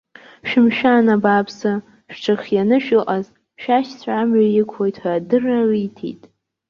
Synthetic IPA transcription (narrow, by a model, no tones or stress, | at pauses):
ʃᶣɪmʃᶣanabapʰsa | ʃᶣʈ͡ʂʰɨχʲjanɨʃᶣɨlʔaz | ʃᶣaʃt͡sʷʰamɥajɪkʷʰo̞jtʰħʷaːdɨraitʰḭjtʼ